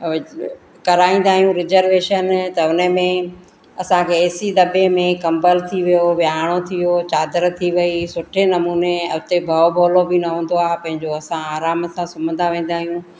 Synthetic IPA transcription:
kɐɾaːĩːn̆d̪aːɦijũɾɪzəɾʋeːʃənt̪ɐʊnəmẽ | ɐsãkʰeːsid̪ɐbemẽkɐ̃mbəlt̪ʰiʋijoʋjaːɽ̃ot̪ʰijot͡ɕaːd̪əɾt̪ʰiʋɐisʊʈʰenɐmuːneʊt̪ebʱɐbʱoːlobɪnɐɦũːn̆d̪oaːɦpɐ̃ɦɪ̃ɲd͡ʑoɐsãaːɾaːmsãsʊmə̃nd̪ʱãʋẽːn̆d̪aːɦijũ

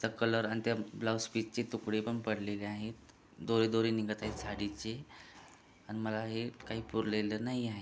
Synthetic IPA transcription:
t̪əkələɾañit̪jablawspit͡st͡ɕet̪ukɽepəɳpəɽleleaɦet̪ | d̪oɾed̪oɾeniɡət̪aɦesaɽit͡ɕe | añiməlaɦekaɦiːpuɾlelənaɦiaɦe

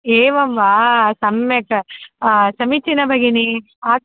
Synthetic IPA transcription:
eːʋɐmʋaːsɐmekɐ | sɐmit͡ʃːinɐbʱɐɡini | aː

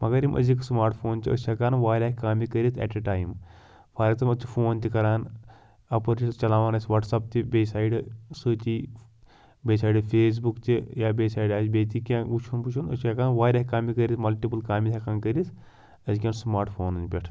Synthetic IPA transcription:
mɐɡɐɾimʔɐ̰ziksmaːɾʈpʰoːnt͡ʃiɐ̰sɐkaːnʋaːɾʲaːhikaːmikəɾit̪ʰɛ̰ʈɐʈaːim | pʰaɾk̚t̪ɐmɐt͡ʃʰi̥fʰoːnt̪ʲikɐɾaːn | ɐpɐɾist͡ʃɐlaːʋaːnɐsʲʋɐʈsɐp̚t̪ʲibʲeːsaːiɖɨsut̪ʲi | beːsaːiɖɨfʰeːs̬bukt̪ijaːbʲeːsaːiɖaːsbeːt̪ikʲãːɡut͡ʃʰunput͡ʃʰunɐsɐkaːnʋaːɾʲaːhʲikaːmikəɾʲismɐlʈipɨlkaːmit̪ʰʲɐkaːnkəɾis | ɐzikʲɐnsmaːɾʈpʰoːnɨnpʲɐʈʰ

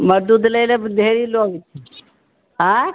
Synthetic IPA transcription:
məɾd̪uːd̪ləjləd̪ʱeɾiːloːɡit̪i | ɦã

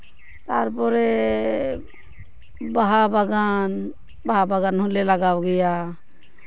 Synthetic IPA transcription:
t̪aɾpɔɾe | baɦabaɡan | baɦabaɡanɦuleləɡawɡəja

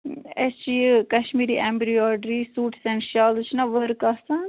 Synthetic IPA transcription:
ɛt͡ʃikɐʃmiːɾiːʔɛmbɾiɔːɖɾiːsuːʈʰsɛɳʃaːlt͡ʃʰnãːʋəɾkasã

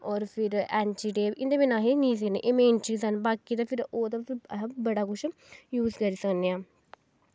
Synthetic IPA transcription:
ɔːɾpʰɪɾɛːnʈiːʈeːbɪnd̪eːbinãːɦiniːs̬knḛːʔeːmẽːɳt͡ʃiːsənbaːkiːd̪ãːpʰɪɾoːt̪ãpbəɽaːkʊt͡ʃʰ | juːzkəɾiːsəkneːãː

